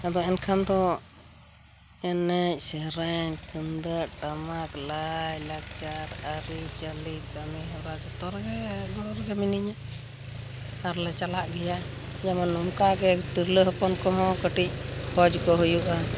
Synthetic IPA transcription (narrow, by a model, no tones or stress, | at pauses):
ad̪ɔɛnkʰand̪ɔ | ɛnɛc̚ˀsɛɾɛɲkʰənd̪əʔʈamaklajlak̚t͡ʃaɾaɾit͡ʃəlikɡamiɦɾad͡ʒat̪ɔɾaɡɛɡɔɾɡɛminiɲa | aɾlɛt͡ʃalaʔɡɛja | d͡ʒamanːɔmkaɡɛt̪iɾləɦɔpɔnkɔɦɔ̃kəʈic̚ˀhʰɔd͡ʒkɔɦujuʔa